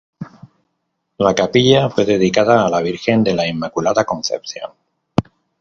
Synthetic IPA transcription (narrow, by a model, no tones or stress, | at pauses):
lakapiʎafwe̞ðe̞ð̞ikaðaːlaβ̞iɾxe̞nd̪e̞laimːakulaðakõ̞nθe̞̰pθjo̰n